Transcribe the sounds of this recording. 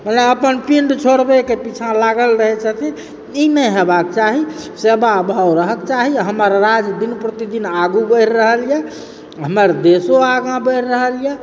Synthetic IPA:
məneəpənpiɳɖt͡ʃʰoɽbekepit͡ʃʰãlaɡəlɾəɦɛt͡ʃʰət̪ʰi | inəjɦebak̚t͡ʃaɦisebaəbʱawɾəɦəkt͡ʃaɦiɦəməɾːad͡ʒd̪inpɾət̪id̪inaɡubəjɾːəɦəljɛ | ɦəməɾd̪esoaɡãbəjɾɾəɦəljɛ

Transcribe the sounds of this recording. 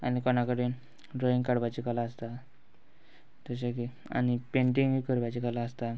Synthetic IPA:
a̰nikɔnakəɽiːn | ɾoĩŋɡkaɽʋat͡ɕikalaəst̪a | t̪əɕ̬aki | a̰ñipeɳʈiŋɡikəɾʋat͡ɕikalaəst̪a

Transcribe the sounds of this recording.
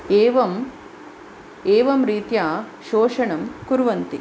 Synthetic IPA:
eːʋɐm | eːʋɐmɾiːt̪jaː | ʃoːʂɐɳɐmkuɾʋɐnt̪i

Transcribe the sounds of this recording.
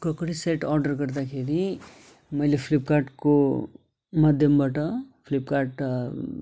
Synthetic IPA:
kəkɽiseʈɔːɾɖəɾkəɾd̪akʰeɾi | mɐjlepʰlip̚kaːɾʈko | mad̪ʱjəmbʱəʈapʰlipkaːɾʈ

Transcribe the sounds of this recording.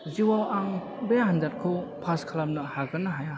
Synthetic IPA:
ziwawaŋ | bejaɦandat̚kʰɯwpʰaskʰalap̚nɐhaɡɯnɐɦaja

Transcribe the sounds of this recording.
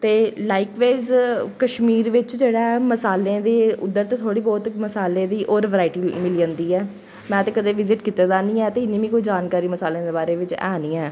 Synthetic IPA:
t̪eːlaːɪkʋaːzkəʃmiːɾʋɪt͡ʃd͡ʒeːɽaːɛməsaːlẽːd̪eːʊ̰d̪ːəɾt̪ẽːt̪ʰoːɽiːbɔːt̪məsaːlẽːd̪iːʔoːɾʋəɾaːɪʈiːmɪliːə̃nd̪iːɛː | mɛ̃ːt̪ẽːkəd̪eːʋɪzɪʈkiːt̪eːd̪aːnĩːɛːt̪eːɪnːĩːʋĩːkoiːd͡ʒaːnkaːɾiːməsaːlẽːd̪eːbaːɾeːʋɪt͡ʃɛ̰ːnĩːɛ̃ː

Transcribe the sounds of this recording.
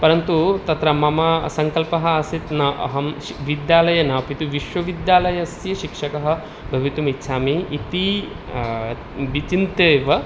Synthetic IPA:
pɐɾɐnt̪ut̪ɐt̪ɾɐmɐmɐsɐŋkɐlpɐɦɐɐsit̪nɐʔɐ̰ɦɐm | ʋid̪jaːlɐjɐnɐpit̪uʋiʃʋɐʋid̪jaːlɐjɐsjɐʃikʂɐkɐɦɐ̆ | bʱɐʋit̪umit̪ːʃʰaːmiːt̪i | ʋit͡ʃint̪eːʋɐ

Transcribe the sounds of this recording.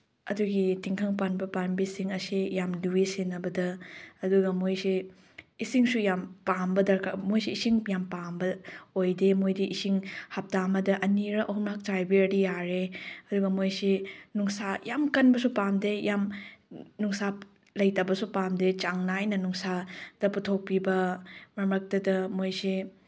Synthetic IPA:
ɐduɡitiŋkʰɐŋpanbɐpanbisiŋɐsijamluwisinɐbɐdɐɐduɡɐmojsi | isiŋsujampambɐdɐɾkʰa̰mojsiisiŋjampambɐojdemojdiʔisiŋhɐp̚tamɐdɐʔɐniɾɐʔɐɦumɾak̚t͡ʃajbiɐdijaɾeɐduɡɐmojsenuŋsajamkɐnbɐsupamdejam | nuŋsa | lɐjtabɐsupamdet͡ʃaŋnajnɐnuŋsad̥ɐputʰok̚pibɐmɐɾmɾɐk̚tɐdɐmojse

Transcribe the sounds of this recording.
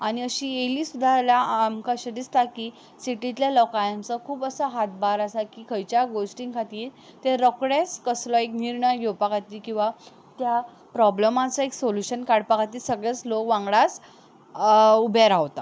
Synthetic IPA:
aɽ̃iəɕiːjeliːsud̪ʱalaamkaɕəd̪ist̪akiː | siʈit̪ljalɔkajəmt͡səkʰuːpəsəɦat̪̚baɾasakiːkʰəjt͡ɕjaɡosʈĩŋkʰat̪iːɾt̪eɾɔkɽeskəslɔekniɾɳəjɡʱewpakʰat̪iːkĩw̃ʋa | t̪ja | pɾɔbləmat͡sɔeksoljuɕənkaɽpakat̪iːsəɡɭet͡slokʋãŋɡɭas | ubʱeɾaʋt̪a

